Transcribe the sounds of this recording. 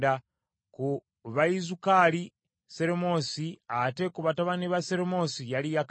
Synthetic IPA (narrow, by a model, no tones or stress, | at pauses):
da | ku | βaizukali | seɾemo̞siate̞kuβataβaniβaseɾemosijalijak